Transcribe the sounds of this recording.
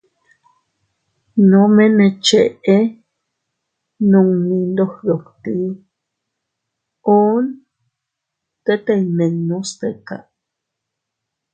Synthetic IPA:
nomenet͡ʃeʔe | noŋnind̪ohdokt̪i | on | t̪et̪ejmeŋnuspeka̰

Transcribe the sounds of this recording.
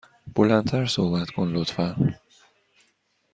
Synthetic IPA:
b̥olænt̪ʰæɾsohbæt̪kʰonlot̪fæ

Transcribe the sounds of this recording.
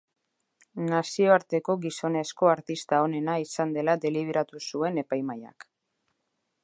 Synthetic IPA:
nasio̞aɾt̪e̞ko̞ɡiso̞ne̞sko̞aɾt̪ist̪ao̞ne̞naisand̪e̞lad̪e̞liβ̞eɾat̪usue̞ne̞pajmaja̰k

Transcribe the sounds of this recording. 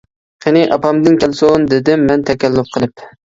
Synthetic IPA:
qʰɪnɪʔɑpɑmd̪ɪnkʲɛlˠsond̪ɪd̪ɪmːɛnt̪ʰɛkʲɛlːʊp̚qʰəlˠɨp

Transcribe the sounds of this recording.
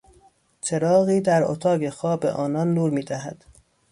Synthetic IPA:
t͡ʃʰe̞ɾɒːɣiːd̪æɾot̪ʰɒːɡe̞xɒːbe̞̰ʔɒːnɒnːuːɾmiːd̪æɦæd̪̥

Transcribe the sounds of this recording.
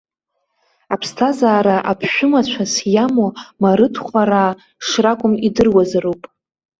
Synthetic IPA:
apʰstʰazaːɾaʔapʰʃʷᶣʊmat͡ɕʷʰasjamomaɾɨtʰχʷaɾa | ʂrakʷʼʊmidɨrwazaɾowpʼ

